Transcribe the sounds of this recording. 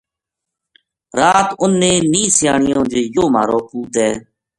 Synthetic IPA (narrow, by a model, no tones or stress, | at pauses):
ɾaːt̪ʊnːẽːniːsɪjaːɳɪjõːd͡ʒeːjoːma̰ːɾoːpuːt̪ɛː